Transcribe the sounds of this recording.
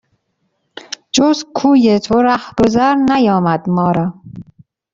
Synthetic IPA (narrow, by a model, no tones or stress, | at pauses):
d͡ʒozkʰuːjet̪ʰoɾæhb̥ozæɾnæjɒːmæd̪mɒːɾɒː